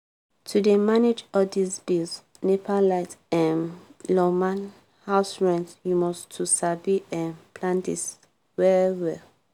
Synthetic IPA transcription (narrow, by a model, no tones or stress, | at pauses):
tʰudemaned͡ʒɔdisbils | nepʰalaɪtɛ̃nlɔmãn | haʊsɹɛ̃ntjumɔstʰusabiʔɛ̃npʰlãndḭs | wɛɹwɛl